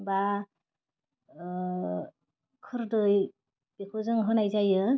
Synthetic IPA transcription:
ba | kʰɯɾdɯj | b̥ekʰuzɯŋɦɯnajzajɯ

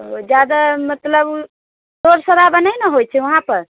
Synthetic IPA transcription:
d͡ʒjad̪amət̪ləb | soɾsəd̪abənəjnəɦojt͡ʃʰɛʋəɦãpəɾ

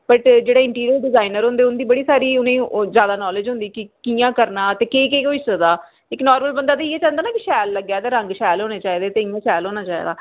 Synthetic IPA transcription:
bəʈd͡ʒeːɽaːɪ̃ɳʈiːɾijəːlɖɪzaːinəɾɦʊ̃nd̪eːʊnːd̪iːbəɽiːsaːɾiːʊnẽːzjaːd̪aːnɔːlɪd͡ʒɦʊ̃nd̪iːkɪkiːjãːkəɾnaːt̪eːkeːkeːkoisəd̪aː | ɪknɔːɾməlbənd̪aːt̪aːieːt͡ʃãːnd̪aːnaːkɪʃɛːlːəɡjaːt̪eːɾə̃ŋɡʃɛːlɦoːneːt͡ʃaːiːd̪eːt̪eːɪ̃jãːʃɛːlɦoːnaːt͡ʃaːḭːd̪a̰ː

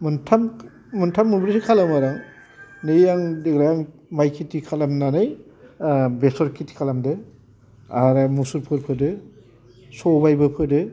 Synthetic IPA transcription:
muntʰam | muntʰamːunbɾisikʰalamaɾaŋ | nɯjaŋdiɡɾajaŋ | majkʰitikʰalamnanɯj | besɔɾkʰitʰi̥kʰalamdɯ | aɾɯmusuɾpʰɯɾpʰɯdɯ | sɔbajbɯpʰɯdɯ

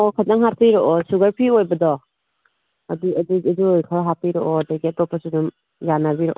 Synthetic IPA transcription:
ɔkʰadaŋɦaɾpʰiɾɔʔɔsuɡaɾpʰiojbadɔ | aduadudujkʰaɦapiɾɔɔdaɡetɔpːasunum | janabiɾɔʔɔ

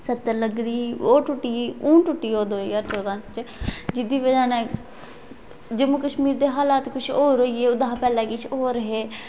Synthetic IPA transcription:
sət̪ːəɾləɡd̪iːoːʈʊʈːiːũːʈʊʈːiːoːd̪oːiːəɾt͡ʃʰoːd̪ãːt͡ʃd͡ʒɪd̪iːʋəd͡ʒaːnɛː | d͡ʒəmʊkəʃmiːɾd̪eːɦaːlaːt̪kʊt͡ʃʰoːɾoːieːʊd̪ãːpɛːlɛ̃ːkɪt͡ʃʰoːɾəɦeː

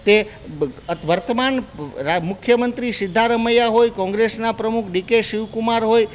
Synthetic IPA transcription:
t̪e | ət̪ʋəɾt̪əmanɾmʊkʰjəmənt̪ɾisɪd̪ʱːaɾəməjaɦojkɔ̃ŋɡɾesnapɾəmukʰɖikeʃɪʋkumaɾɦoj

